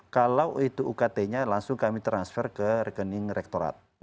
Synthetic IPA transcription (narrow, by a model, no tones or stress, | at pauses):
kalawit̪uʔːkat̪eɲalaŋsʊŋkamit̪ɾansfɛrkəɾəkənɪŋɾɛk̚t̪oɾa̰t̪̚